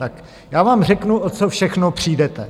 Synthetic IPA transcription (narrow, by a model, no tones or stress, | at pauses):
t̪ak | jaːvaːmr̝ɛknuʔot͡sofʃɛxnopr̝̥iːdɛt̪ɛ